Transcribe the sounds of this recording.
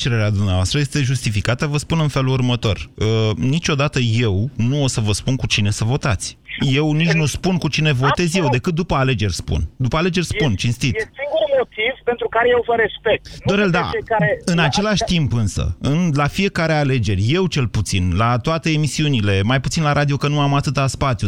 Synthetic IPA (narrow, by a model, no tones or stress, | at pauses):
t͡ʃe̞ɾeɾead̪umneavoast̪ɾəje̞st̪e̞ʒust̪ifikat̪əvəspunɨnfe̞lurmət̪o̞rənit͡ʃʲo̞d̪at̪əje̞wnuo̞səvəspunkut͡ʃine̞səvo̞t̪at̪sʲje̞wnit͡ʃnuspunkut͡ʃine̞vo̞t̪e̞zʲje̞wd̪e̞kɨt̪̚d̪upəale̞d͡ʒe̞rʲspṵnd̪upəale̞d͡ʒe̞rʲspunt͡ʃinst̪it̪siŋɡurmo̞t̪iv̥pent̪ɾukaɾejewvəɾe̞spek̚t̪d̪o̞ɾeld̪a̰aeɨnat͡ʃe̞laʃʲt̪impɨnsə̰ɨnlafije̞kaɾe̞ale̞d͡ʒe̞rʲje̞wt͡ʃe̞lput̪sinlat̪oat̪e̞emisiunile̞majput̪sinlaɾʔad̪io̞kənuamat̪ɨt̪aspat̪siju